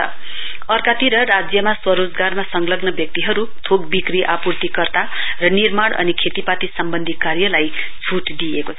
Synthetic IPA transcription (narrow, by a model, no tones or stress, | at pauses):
ʌ̰ | ʌrkat̪iɾʌrad͡zjʌmaswʌɾod͡zɡarmasʌŋlʌɡnʌbjʌk̚t̪iɦʌɾut̪ʰoɡ̚bikriʔapurt̪ikʌrt̪arʌnirmaɽʌ̰nikʰet̪ipat̪isʌmbʌnd̪ʱikarjʌlaj | t͡sʰuʈd̪ijekot͡sʰ